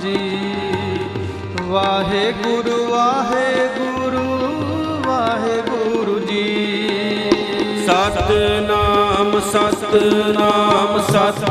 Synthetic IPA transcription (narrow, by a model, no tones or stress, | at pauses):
d͡ʒiː | ʋaːɦeːɡʊɾuʋaːɦeːɡuɾu | ʋaːɦeːɡʊɾud͡ʒiː | saːt̪naːmsat̪naːmsa